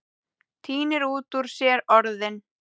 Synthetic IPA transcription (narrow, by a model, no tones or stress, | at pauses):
t̪ʰiːnɪɾuːt̪uɾ̥sjɛːɾɔɾðɪn